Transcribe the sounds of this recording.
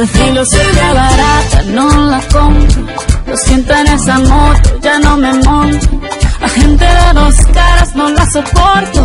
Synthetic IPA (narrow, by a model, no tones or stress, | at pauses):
d̪eθiloseɾeβaɾat̪anolakompɾolosjent̪oenesamot̪oʝano̞memonolaxent̪eðeðoskaɾaznolasopoɾt̪o